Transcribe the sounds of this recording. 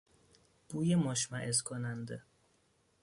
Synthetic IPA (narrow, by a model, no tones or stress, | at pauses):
b̥uːjemoʃmæʔezkʰonænd̪e